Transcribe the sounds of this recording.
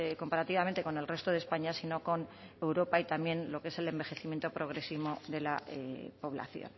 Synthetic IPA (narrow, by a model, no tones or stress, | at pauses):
ko̞mpaɾat̪iβament̪e̞ko̞ne̞lre̞st̪o̞ð̞espaɲasino̞ko̞n | e̞wɾo̞pait̪amje̞nlo̞kee̞se̞le̞mbe̞xeθimjent̪o̞pɾo̞ɣ̞ɾe̞siβo̞ðe̞lapo̞β̞la̰θjo̰n